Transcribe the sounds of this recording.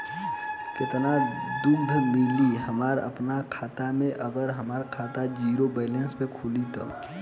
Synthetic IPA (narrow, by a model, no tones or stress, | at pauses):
kɪt̪nad̪ʊkd̪ʱmɪliɦəmaːɾə̰pnakʰaːt̪amẽʔəɡəɾɦəmaːɾkʰaːt̪ad͡ʒiːɾobɛːlenspẽkʰuːlit̪ə̰